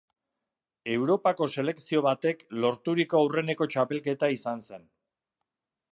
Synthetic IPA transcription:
e̞wɾo̞pako̞se̞le̞ksio̞βat̪e̞klo̞ɾt̪uɾiko̞awre̞ne̞ko̞t͡ʃape̞lke̞t̪aisanse̞n

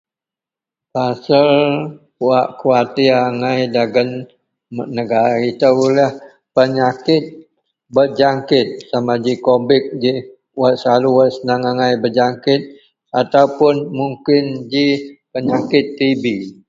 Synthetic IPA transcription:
pasəl | uaʔkuat̪iaŋajdaɡən | mnəɡaɾit̪əwlah | pəɲakɪt̪̚ | bəd͡ʒaŋkɪt̪̚samad͡ʒikobɪk̚d͡ʒi | wat̪̚saluwat̪̚sənaŋaŋajbəd͡ʒaŋkɪt̪̚ | at̪aupʊnmuŋkɪnd͡ʒipəɲakɪt̪ːibi

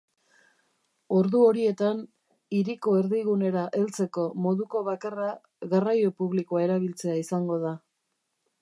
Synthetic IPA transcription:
o̞ɾðuo̞ɾie̞t̪an | iɾiko̞e̞ɾðiɣune̞ɾaʔe̞lt͡se̞ko̞mo̞ðuko̞βakara | ɣarajo̞puβlikoae̞ɾaβilt͡se̞aisaŋɡo̞ða

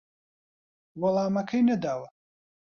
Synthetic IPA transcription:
wɐlˠaːmɐkʰɐjnɐd̪aːwɐ

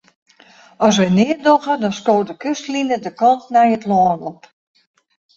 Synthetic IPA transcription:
ɔs̬ʋɛjnɪədoɣədɔnskoːtdəkøstlinədəkɑntnɛjətlɔːnɔp

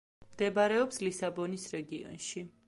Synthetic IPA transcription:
md̪̥ɛbaɾɛɔpslisabɔnisɾɛɡiɔ̰nʃi

